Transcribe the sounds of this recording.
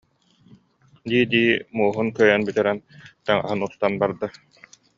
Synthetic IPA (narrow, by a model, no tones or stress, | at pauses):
d̪iːd̪iːmuːɦunkœjɛnbit̪ɛɾɛnt̪ɛŋa̰ɦɯnust̪anbaɾd̪a